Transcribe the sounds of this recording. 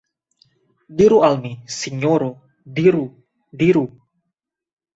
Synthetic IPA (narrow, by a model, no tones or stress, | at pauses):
diɾualmisiɲoɾo | diɾu | diɾu